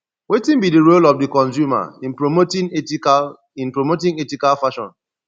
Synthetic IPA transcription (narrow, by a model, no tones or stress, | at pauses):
wetĩnbidiɹolɔfdikɔ̃nsuma̰ĩnpɹomotĩŋ | ĩnpɹomotĩŋetikalfaʃɔ̰̃n